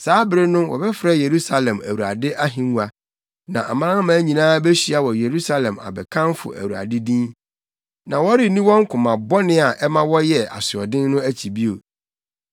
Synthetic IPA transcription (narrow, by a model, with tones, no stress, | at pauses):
saː˨˦bɾɪ˦nʊ̃˦wɔ̰˨bɛ˦fɾɛ˦je˨ɾu˦sa˨lɛ̃˨mæ̰˨wu˨ɾa̰˨dɪ˦ʔa˦ɦĩ˨m˦a˨ | nã˨ʔa˨mã˦ɾã˦mãː˨˦ɲĩ˨nãː˦be˦ɕi˦a˨wɔ˨je˨ɾu˦sa˦lɛ̃˨ma̰˨bɛ˨kʰã˦nfʊ̰˨æ̰˨wu˨ɾa̰˨dɪ˦dĩ˦n | nã˨wɔ˦ɾi˨nĩ˦wɔ̃˦ŋ˦kʰʊ̃˨mã˨bɔ˦nɪ̃˦a˨ʔɛ˦mã˦wɔ˦jɛ˦˨a̰˨sɪ˨ɔ˨dɪ̃˦nː˦ʊ̃˦æ˦t͡ɕʰi˨bi˦o̰˨